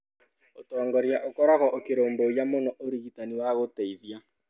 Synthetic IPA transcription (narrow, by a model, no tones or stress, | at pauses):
otɔːŋɡɔɾjaʔokoɾaɣɔʔokeɾoːmbojamonɔʔoɾiɣitaniwaɣoteiðja